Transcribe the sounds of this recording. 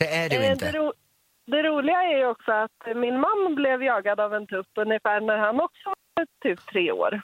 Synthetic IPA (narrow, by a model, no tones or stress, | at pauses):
ɛæɖɛd̪ɛɾuː | d̪ɛɾuːlɪɡaæɾjɔksɔat̪mɪnmanːblɛvjɑːɡad̪avɛnt̪ʰɵpːɵnjɪfæːɳæɾhanɔksɔ | t̪ʰyːp̚t̪ʰːɾeːo̰ːɾ